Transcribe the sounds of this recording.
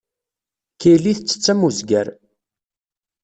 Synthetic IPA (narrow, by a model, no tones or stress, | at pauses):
kiliθt͡sːə̥t͡sːæmuzɡæɾ